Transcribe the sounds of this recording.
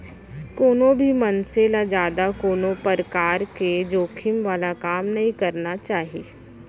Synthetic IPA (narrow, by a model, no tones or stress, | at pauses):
koːnõbʱimɐnselad͡ʒjaːd̪akoːnõpəɾkaːɾked͡ʒoːkʰimʋaːlakaːmnɐɦĩkɐɾnat͡ʃaːɦieː